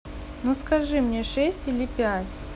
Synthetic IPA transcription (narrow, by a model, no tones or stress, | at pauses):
nuskɐʐɨmnʲeʂɛsʲtʲilʲɪpʲætʲ